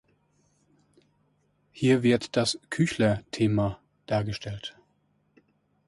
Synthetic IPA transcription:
hiːɐvɪɐtd̥askʰyçlɐtʰeːma | d̥aːɐɡəʃtʰɛlt

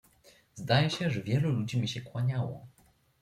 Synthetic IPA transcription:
zd̪ajɛɕɛʐɛvʲjɛlulud͡ʑimʲiɕɛkwaɲawɔ̰

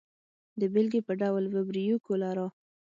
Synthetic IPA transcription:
d̪əbɪlɡepəɖawlvəbɾijukolaɾɑ

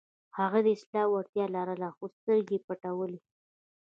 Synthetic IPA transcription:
haɣad̪əɪslɑwaɾt̪jɑlɑɾalaxost̪əɾɡepaʈawəli

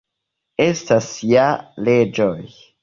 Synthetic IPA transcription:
estasijaled͡ʒoj

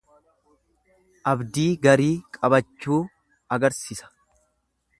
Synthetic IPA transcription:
ʔɐbd̪iːɡɐɾiːkʼɐbɐt͡ʃːuː | ɐɡɐɾsiːsɐ̥

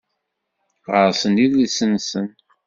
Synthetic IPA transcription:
ʁəɾsənilisənsən

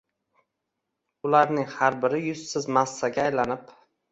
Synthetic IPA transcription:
ʊlaɾnɪŋhaɾbɪɾɪjʊzsɪzmasːaɡʲaːjlanɪp

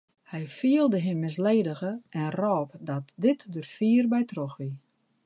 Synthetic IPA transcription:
hɛjfiəlˠdəɦɪmːɪs̬leːdəɣəɛnrɔːpdɔtdɪtdørfiːərbɛjtroxʋi

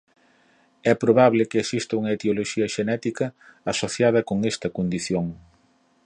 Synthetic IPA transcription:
ɛpɾoβaβlɪkɪesist̪ɐuŋɐet̪eoloʃiɐʃenɛt̪ikɐːsoθjað̞ɐkoŋest̪ɐkond̪iθjoŋ

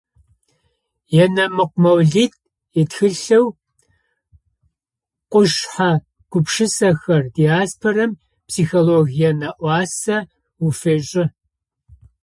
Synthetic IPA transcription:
jɛnɐmɨqʷmɐwɮiːt | jɛtxɨɬɐw | qʷʊʂħa | ɡ̥ʷʊpʂɨsɐxɐrdiaːspʰorɐm | psiːxoloːɣijɐnɐʔʷɑːsɐ | wufeɕʼɪ

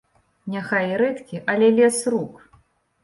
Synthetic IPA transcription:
nʲaxajiɾɛt̪kʲiʔɐlʲɛlʲɛsruk

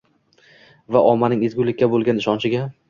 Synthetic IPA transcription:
vaʔɒmːanɪŋezɡʲʊlɪkʲːabolˠɡʲanɪʃɒnt͡ʃʰɪɡʲa

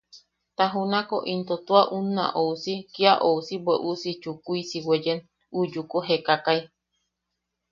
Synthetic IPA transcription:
t̪aɦunako̰ʔint̪ot̪uaʔunːa̰ʔousikiaʔousibeʔusit͡ʃukuisiwed͡ʒen | ud͡ʒukoɦekakai

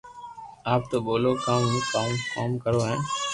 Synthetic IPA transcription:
aːp̚t̪oːboːloːkãːmɦĩːkaːmkaːmkəɾoːɦɛ̃ː

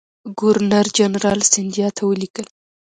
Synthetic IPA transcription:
ɡʊɾnaɾd͡ʒanɾɑlsɪnd̪ijɑt̪ʰawəlikəl

